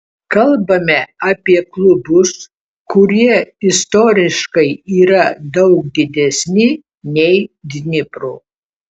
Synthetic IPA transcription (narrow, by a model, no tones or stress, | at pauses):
kɐlˠbɐmʲɛɐːpʲiɛklˠʊbʊs | kʊɾʲiɛɪst̪oːɾʲɪʃkɐɪiːɾɐd̪ɐʊk̚d̪ʲɪd̪ʲɛsʲnʲɪ | nʲɛɪd̪ʲnʲɪpɾu